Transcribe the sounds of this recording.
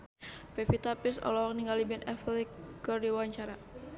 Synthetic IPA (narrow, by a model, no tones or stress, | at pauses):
pɛfit̪apirsɔ̰lɔɔkniŋɡalibɛnɛ̰flikərdiwaɲt͡ʃaɾa